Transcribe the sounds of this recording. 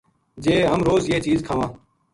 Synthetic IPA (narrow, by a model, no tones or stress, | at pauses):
d͡ʒeːɦəmɾoːzjeːt͡ʃiːzkʰaːʋãː